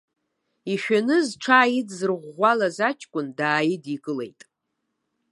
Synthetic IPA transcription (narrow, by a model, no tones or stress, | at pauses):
iʃᶣanɨzʈ͡ʂʰaːjidzɨrʁʷalazat͡ʃʰʼkʷʼʊndaːjɪdikʼɨle̞̰jtʼ